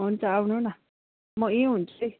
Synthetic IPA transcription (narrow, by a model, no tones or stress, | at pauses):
ʊnt͡saunũna | mɔ̃ĩʊ̃nt͡se